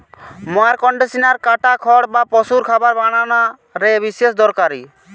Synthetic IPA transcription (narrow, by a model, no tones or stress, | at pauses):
mɔaɾkɔɳɖesinaɾkaʈakʰɔɽbapɔsuɾkʰabaɾbaɽ̃ana | ɾebisesd̪ɔɾkaɾḭ